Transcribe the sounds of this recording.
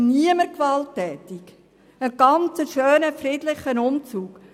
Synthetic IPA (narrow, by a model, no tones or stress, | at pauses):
niəməɾkʋɑltːɛːtik | əɡ̥ɑnt͡səʃøːnəfrɪdlɪχənʊmt͡suːk